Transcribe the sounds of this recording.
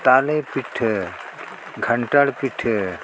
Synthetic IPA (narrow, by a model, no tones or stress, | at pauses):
t̪aːlepiʈʰ | ɡʱəɳʈəɽpiʈʰ